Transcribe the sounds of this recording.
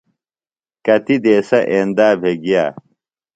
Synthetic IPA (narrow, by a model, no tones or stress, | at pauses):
kɐt̪id̪eːsɐʔeːnd̪aːbʱeɡija̰ː